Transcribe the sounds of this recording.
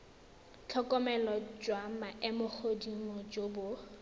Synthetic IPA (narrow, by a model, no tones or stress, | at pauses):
t͡ɬʰɔkʼɔmɛlɔd͡ʒwamaʔɪmʊk͡xʰodimɔd͡ʒobʊ